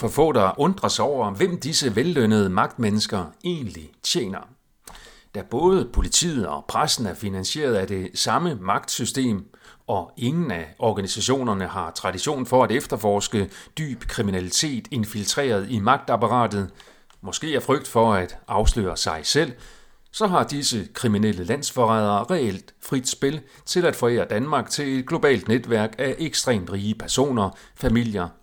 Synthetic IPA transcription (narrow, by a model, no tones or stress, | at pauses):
fɒ̽fɔ̰̽ːd̥ɑʔɔ̽nd̥ʁɐsɒʊ̰ɐʋem̰d̥isəʋelːønəð̞ˠəmɑ̈ɡ̥̚d̥menəsɡ̥ɐe̝̰ːnlit͡ɕʰjḛːnɐ | d̥æb̥ɔ̽ːð̞ˠəpʰo̝lit͡sʰḭːð̩ˠɒ̽pʰʁasn̩æɐfinænɕe̝̰ːɐð̞ˠæd̥e̝sɑ̈məmɑ̈ɡ̥̚d̥sysd̥e̝̰ːmɒ̽e̝ŋn̩æɒɡ̥ænisæɕo̝̰ːnɐnəhɑ̈t͡sʰʁɑ̈diɕo̝̰ːnfɒ̽æd̥efd̥ɐfɒːsɡ̥əd̥y̰ːb̥kʰʁiminælit͡sʰe̝̰ːd̥e̝nfilt͡sʰʁḛːɐð̞ˠimɑ̈ɡ̥̚d̥ɑ̈pɑ̈ʁɑ̰̈ːd̥ð̩ˠ | mɒ̽sɡ̥e̝̰ːæɐfʁœɡ̥̚d̥fɒ̽æd̥ʔɑ̈ʊslø̰ːɐsɑ̈ɪsel̰ | sɒ̽ɦɑ̈d̥isəkʰʁiminel̰əlæn̰sfɒʁað̞ˠɐːʁɛel̰d̥fʁid̥sb̥e̝l | t͡sʰe̝læd̥fɒ̽e̝ːɐd̥ænmɑ̈ːɡ̥t͡sʰe̝le̝d̥ɡ̥lo̝b̥ɛ̰ːld̥ned̥ʋæɐ̰ɡ̥æʔeɡ̥sd̥ʁɛ̰ːmd̥ʁiːəpʰæɐso̝̰ːnɐfæmil̰jɐ